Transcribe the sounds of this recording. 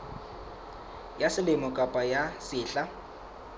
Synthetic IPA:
jasɪlɪmɔkʼapʼajasɪːɬa

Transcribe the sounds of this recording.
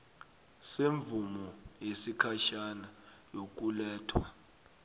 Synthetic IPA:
seɱb̪vumɔjesikʰaʃanajok̬ʼulɛːtʰwa

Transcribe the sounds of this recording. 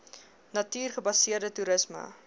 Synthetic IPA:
nɐtyːrχəbɐsiərdətuɾəsmə̰

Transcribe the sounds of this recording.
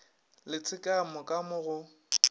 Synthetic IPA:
lɪt͡sʰɪkʼamʊkʼamʊɣʊ

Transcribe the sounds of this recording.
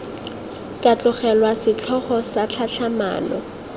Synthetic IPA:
kʼat͡ɬʼʊχɛlwasɪt͡ɬʰɔχɔsat͡ɬʰaɬʰama̰ːnɔ̰

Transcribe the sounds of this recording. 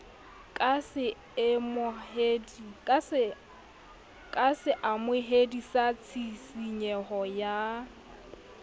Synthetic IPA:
kʼasɪ | ɪmʊeds | kʼasɪʔamʊɦedisat͡sʰisiɲɛhɔja

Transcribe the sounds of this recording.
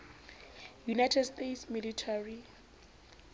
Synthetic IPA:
junajtʰɛdstetsmilitʰari

